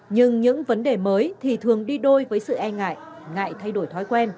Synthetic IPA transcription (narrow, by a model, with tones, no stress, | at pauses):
ɲɨ˧ŋɲɨ̰˧˥ŋvə˨˦nɗe˨˩məː˨˦jt̪ʰi˨˩t̪ʰɨ˨˩əŋɗi˧ɗo˧jvəː˨˦jsɨ̰˧˨ʔɛ˧ŋa̰ː˧˨j | ŋa̰ː˧˨jt̪ʰa˧jɗo˧˩jt̪ʰɔ˨˦jkwɛ˧n